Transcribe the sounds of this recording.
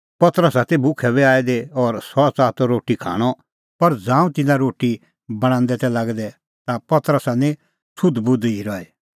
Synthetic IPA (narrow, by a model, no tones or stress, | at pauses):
pɐt̪əɾəsaːt̪ʰebʊkʰɛβɛaːed̪eɔːɾsɔt͡saːt̪ɔɾoːʈikʰa̰ːɽ̃ɔ | pɐɾd͡zãːũt̪ɪnãɾoːʈi | bɐɽ̃ãːnd̪ɛt̪ɛ̃laɡd̪ɛ | t̪apɐt̪əɾəsanɛ̃ | sʰʊd̪bʊd̪iɾɔɛ